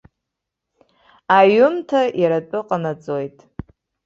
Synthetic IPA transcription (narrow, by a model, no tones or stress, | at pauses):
aɥʊmtʰajaɾat͡pʼɨqʼanat͡sʼojtʼ